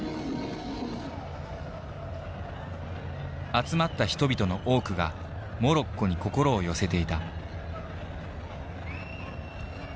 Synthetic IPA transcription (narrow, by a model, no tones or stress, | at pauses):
at͡sɨmat̪ːaçi̥t̪o̞bʲit̪o̞no̞ʔo̞ːkɯ̟ɡa | mo̞ɾo̞kːo̞ɲ̟iko̞ko̞ɾo̞ːjo̞se̞t̪e̞it̪a